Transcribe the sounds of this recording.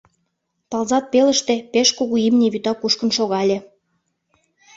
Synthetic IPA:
t̪ɑlzɑt̪̚pelə̆ʃt̪ĕpeʃkoɣuimnʲeβyt̪ɑkuʃkə̆nʃoɣɑlʲe

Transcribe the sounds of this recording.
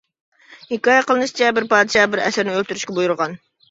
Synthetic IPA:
hekɑːjɛqʰəlˠɨnɨʃt͡ʃʰɛbɪɾpɑːd̪ɪʃɑbɪɾɛ̰sɪɾnɪølt̪yɾyʃkʲɛbujuɾʁɑn

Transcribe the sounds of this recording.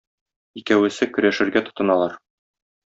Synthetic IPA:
ikæwɘ̆sɘkɵ̆ɾæʃɘ̆ɾɡæt̪ŏ̥t̪ɤ̆nɑlˠɑɾ

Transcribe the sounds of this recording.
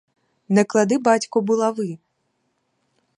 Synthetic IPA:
nɐklˠad̪ɨbat͡sʲkubulˠavɨ

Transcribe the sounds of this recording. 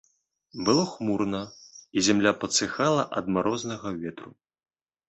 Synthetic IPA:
bɨlˠɔxmuɾnɐizʲamlʲapɐt̪sɨxalˠɐʔɐd̪maɾʔɔznɐɣɐvʲɛt̪ɾu

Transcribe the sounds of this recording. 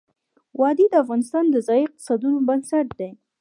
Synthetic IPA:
wɑd̪id̪əafɣɑnɪst̪ɑnd̪əzɑjiɪq̚t̪ɪ̥sɑd̪unobənsaʈ̚d̪e

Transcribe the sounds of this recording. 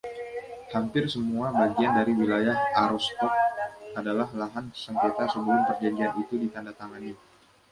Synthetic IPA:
hampɪrsəmuabaɡiandaɾiwilajahaɾɔst̪ɔk̪̚ʔadalahlaɦansəŋket̪asəbəlʊmpərd͡ʒaɲd͡ʒianit̪udit̪andat̪aŋani

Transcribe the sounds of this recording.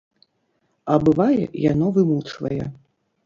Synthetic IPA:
ɐbɨvajɛ̰ja̰nɔvɨmut͡ʂvɐ̰jɛ̰

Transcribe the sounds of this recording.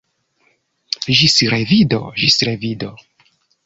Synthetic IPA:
ʒisiɾevido̰ʒisiɾevido

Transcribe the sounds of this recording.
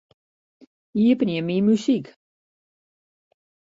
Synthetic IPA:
iəpənjɛmimysik

